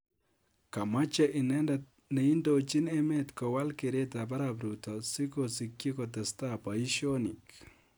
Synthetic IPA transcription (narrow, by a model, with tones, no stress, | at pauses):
ka˨ma˦t͡ʃa˦ʔi˨nɛ˦ndat̚ | ne˨i˦ndot͡ʃi˦nɛ˦me˦t̪kɔ˨wa˦lke˨ɾe˦ta˨pa˦ɾapɾu˨tɔ˨si˦kosi˨kːji˦kɔ˨tɛ˨sta˦pa˨i˦ʃo˦ni˨k